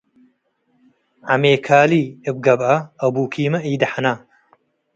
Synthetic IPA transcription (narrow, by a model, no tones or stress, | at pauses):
ʕameːkʰaːliːɨb̚ɡɐbɐɐbuːkʰiːmɐʔiːd̪ɐħanaː